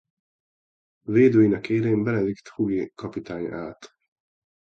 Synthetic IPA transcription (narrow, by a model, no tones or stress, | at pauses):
veːd̪øːjinɛkeːɾɛmbɛlɛvikt̪huɡikɒpit̪aːɲaːt̪